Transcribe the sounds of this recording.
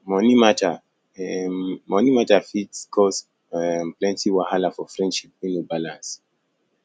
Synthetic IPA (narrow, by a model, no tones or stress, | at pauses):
mɔnimata | mɔnimatafitskʰɔs | mplɛ̃ntiwahalafɔfɹɛ̃ndʃip̚ĩnobalãns